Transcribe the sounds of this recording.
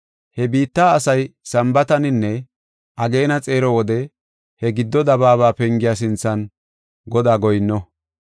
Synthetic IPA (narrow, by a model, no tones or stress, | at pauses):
hɛbiːt̪ːaːɐsɐjsɐmbɐt̪ɐnɪnːɛ | ʔɐɡe̞ːnɐt͡sʼe̞ːɾɔwɔd̪ɛ | hɛɡɪd̪ːɔd̪ɐβaːβaːpɛŋɡɪjaːs̬ɪnt͡sːɐn | ɡɔd̪aːɡɔjnːɔ